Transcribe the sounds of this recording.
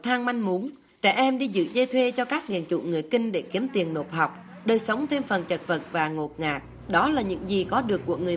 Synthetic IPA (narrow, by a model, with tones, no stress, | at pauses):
t̪ʰaː˧ŋma˧jŋmu˨˦n | t͡ɕɛ̰ː˧˩ʔɛ˧mɗi˧zɨ̰˧˨zə˧jt̪ʰwe˧t͡ɕɔ˧kaː˦˥k̚ɗḭ˧˨ənt͡ɕṵ˧˨ŋɨ˨˩əjkï˧ŋ̟ɗe˧˩ki˨˦əmt̪i˨˩ənno˨˩p̚ha˨˩wk͡p̚ | ɗəː˨˩jsə˨˦wŋ͡mt̪ʰe˧mfə˨˩nt͡ɕə˨˩t̚və˨˩t̚vaː˨˩ŋo˨˩t̚ŋaː˨˩k̚ | ɗɔ˨˦laː˨˩ɲɨ̰˧˥ŋzi˨˩kɔ˨˦ɗɨ˨˩əkːu˧˩əŋɨ˨˩ə